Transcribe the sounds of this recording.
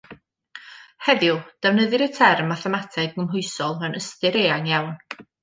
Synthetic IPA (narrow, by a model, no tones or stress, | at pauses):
hɛðjʊd̥ɛvnəðɨɾətʰɛrmːaθɛmatʰɛɡːəmɦʊɨsɔlˠənəstɨɾeːaŋjawn